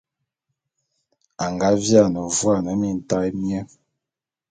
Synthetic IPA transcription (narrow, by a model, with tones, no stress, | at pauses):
a˨ŋɡa˦vja˦˨nə˨vwa˦˨na˨˦mi˦˨n̩˨ta˦mjɛ˦